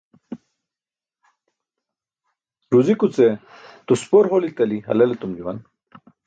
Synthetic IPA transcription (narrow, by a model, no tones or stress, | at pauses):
ɾuzikut͡se | t̪uspoɾɦolit̪ɐliɦɐ̰lɐlet̪umd͡ʑuwɐ̰n